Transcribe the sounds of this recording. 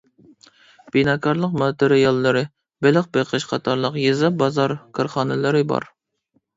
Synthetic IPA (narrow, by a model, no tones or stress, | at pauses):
b̥inɑːkʰɑɾlˠəqmɑt̪eɾɪjɑlˠːɨɾɨ | belɪq̚beqʰəʃqʰɑt̪ʰɑɾlˠəqjezɑbɑzɑɾkʰɨɾχɑːnɨlˠɨɾɨbɑ̰ɾ